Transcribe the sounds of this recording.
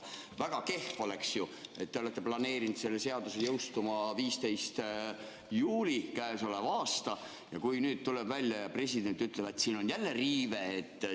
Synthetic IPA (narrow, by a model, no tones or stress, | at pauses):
væɡ̥ɑke̞hfo̞le̞ksjue̞t̪ːeo̞le̞t̪ːe̞plɑne̞ːɾint̪se̞lːese̞ɑd̪usejɤwst̪umɑviːst̪e̞jst̪ | juːlikæesolevɑːst̪ɑ | jɑkujnyːd̪̥̚t̪uleb̥vælʲjɑjɑpre̞sʲid̪̥e̞nt̪ːˑyt̪ːˑlebet̪ːsiːno̞njælːeriːveːt̪ː